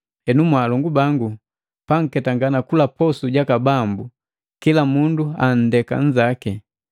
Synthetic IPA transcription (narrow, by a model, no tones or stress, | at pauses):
hɛnumwaːlɔŋɡubaŋɡu | paŋ̩kɛtaŋɡanakulapɔsuɟakabambu | kilamunduan̩dɛka̰ɲd͡ʒaki